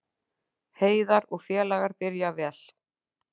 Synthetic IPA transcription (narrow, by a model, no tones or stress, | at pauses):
heːjðaɾɔɣfjɛːlaːɣaɾpɪɾjavɛːl̥